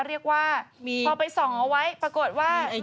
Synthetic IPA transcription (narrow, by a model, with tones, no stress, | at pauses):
ɾi˥˩ək̚waː˥˩pʰɔː˧pa˧jsɔ˩˦ŋʔa˧wa˦˥jpɾa˧ko˨˩t̪̚waː˥˩